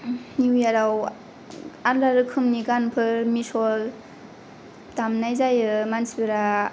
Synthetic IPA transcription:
niwijaɾaw | anɾaɾɯkʰɯmniɡanpʰɯɾmisɔl | tamnajzajɯmansibiɾa

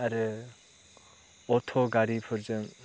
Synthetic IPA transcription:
aɾɯ | ɔt̪ʰɔɡaɾipʰɯɾzɯŋ

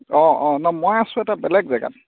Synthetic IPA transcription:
ɔɔnɔmojasʊ̃ɛtabɛlɛɡzaɡa̰t

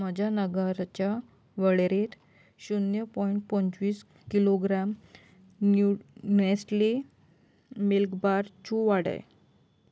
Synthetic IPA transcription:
məd͡ʑʱanəɡəɾt͡ɕja | ʋəɽeɾet̪ | ɕunjəpɔiɳʈ̚pəɲt͡sʋiːs | kiloɡɾam | unesʈli | milkbaɾt͡ɕuʋaɽə̰j

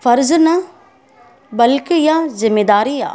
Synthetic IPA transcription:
fɐɾznɐ | bɐlkɪjazɪmːeːd̪aːɾija̰ː

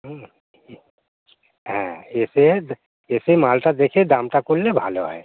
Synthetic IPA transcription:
ɦ | ɦɛ̰̃eːse | eːsemaːlt̪ad̪eːkʰẽd̪ãːmt̪akulːebʱaːloɦɛ̰ː

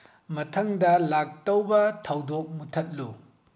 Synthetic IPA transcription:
mɐtʰɐŋdɐlak̚tɐwbɐtʰɐwdok̚mutʰɐt̚lu

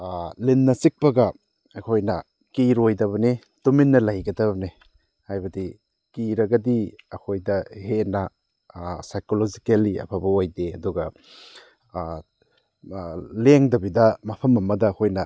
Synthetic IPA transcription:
linːɐsik̚pɐɡɐ | ɐkʰojnɐ | kiɾojdɐβɐni | tuminːɐlajɡɐdɐbɐni | hajbɐdi | kiɾɐɡɐdiɐkʰojdɐhenɐ | sajkolod͡ʒikeliɐ̰pʰabɐojdeɐduɡɐ | leŋdɐbidɐmɐpʰɐmɐmɐdɐːkʰojnɐ

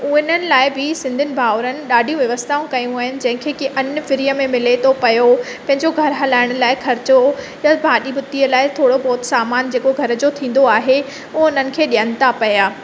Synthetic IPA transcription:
ʊɪnənɪ̆laːɪbɪsɪ̃nd̪ʱɪnɪ̆bʱaːʋɾənɪ̆ɗaːɖʱijũʋjɐʋəst̪ʰaːũkɐjũaːɦɪnɪ̆d͡ʑɐ̃ɦɪ̃kʰeːkiʔɐnfɪɾijəmẽmɪlet̪ʰopɐjopɐ̃ɦɪ̃ɲd͡ʑoɡʱɐɾɦɐlaːɪɽ̃ʊ̆laːɪxʰɐɾɪt͡ɕo | jabʱaːɗibʊt̪iəlaːɪt̪ʰoːɽobɔːt̪saːmaːnd͡ʑeːkoɡʱɐɾd͡ʑot̪ʰĩːn̆d̪oaːɦe | ʊɦʊn̤ənɪ̆kʰeːɗijənɪ̆t̪apɐjaː

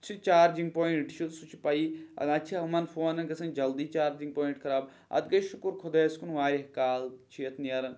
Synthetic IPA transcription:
t͡ʃʰit͡ʃaːɾd͡ʒiŋɡ̚poːiɳʈt͡ʃʰit̪sut͡ʃʰi̥pɐiɐ̰ɐt͡ʃʰimɐnfʰoːnɐnɡɐsɐnd͡ʒɐld̪iːt͡ʃaːɾd͡ʒiŋɡ̚poːiɳʈkʰɐɾaːb | ɐ̰t̪ɡɐjʃukuɾkʰod̪eːskunʋaːɾʲihkaːlt͡ʃʰiɐt̪ʰnijɐɾɐn

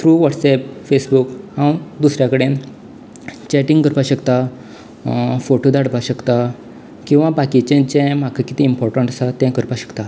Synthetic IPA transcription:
t̪ʰɾuʋɔʈsɛp̚fesbukhãwd̪usɾjakəɽẽ | t͡ɕɛʈiŋɡkəɾpaɕəkt̪a | foʈod̪aɽpaɕəkt̪a | kĩw̃ʋãbakit͡ɕẽt͡ɕɛ̃m̤akʰəkit̪iimpɔɾʈəɳʈəsat̪ɛ̃kəɾpaɕə̥kt̪a

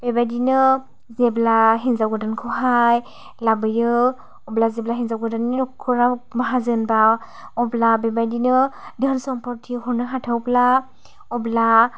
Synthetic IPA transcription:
b̥ebajdinɯ | zeblaɦinzawɡɯdankʰɯwɦaj | labɯjɯ | ɔblazeblaɦinzawɡɯdaninɔkʰːɯnamaɦazɯnba | ɔblabebajdinɯdɯnsɔmpɔɾtʰiɦɔnaɦatʰawpla | ɔbla

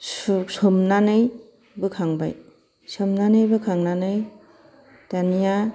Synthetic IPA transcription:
ssɯmnanɯj | bɯkʰaŋba̰j | sɯmnanɯjbɯkʰaŋnanɯj | tanija

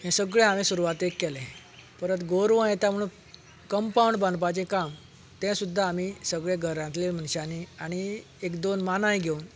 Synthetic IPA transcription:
ɦɛ̃səɡɭẽamĩsuɾuʋat̪ekːɛlẽ | pəɾət̪ɡoɾʋə̃jet̪jam̤əɽ̃un | kəmpauɳɖbãnpat͡ɕẽkam | t̪ɛ̃sud̪ʱːaːmisəɡɭeɡʱəɾãt̪lem̤ənɕaniaɽ̃i | ekd̪onmanaĩɡʱeun

